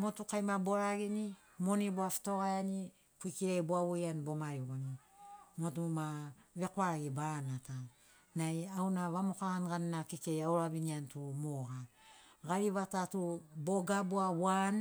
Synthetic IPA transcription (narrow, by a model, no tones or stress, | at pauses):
mo̞tukajmabo̞ɾaɡini | mo̞niboafi̥to̞ɣajani | puikiɾajboaβojanbo̞maɾiɣoni | mo̞tumaβe̞koaɡibanata | najawnaβamokaanɡannakike̞jawɾaβiniantumoɡa | ɡaɾiβatatubo̞ɡaboawan